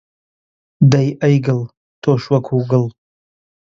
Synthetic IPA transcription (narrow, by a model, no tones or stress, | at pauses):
d̪ajʔajɡəl | t̪ʰoʃwakʰuɡəl